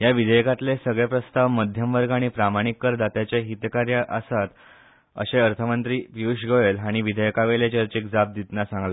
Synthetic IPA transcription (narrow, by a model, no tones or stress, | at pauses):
jaʋid̪ʱəjkat̪lesəɡɭepɾəst̪aʋməd̪ʱjəmʋəɾɡaɽ̃ipɾamaɽ̃ikːəɾd̪at̪jat͡ɕeɦit̪kaɾjəʔəsat̪ | ə̰ɕeəɾt̪ʰəmənt̪ɾiːpiuɕɡojelɦaɽ̃iʋid̪ʱəjkaʋelet͡ɕəɾt͡ɕekd͡zab̚d̪it̪nasãŋɡla